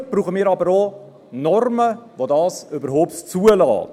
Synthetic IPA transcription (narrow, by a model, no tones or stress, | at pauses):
b̥ɾuːχəmɪːɾɑbəɾo | nɔrməʋodɑːsʏbəɾɦoːptt͡suəlɑ̰ːt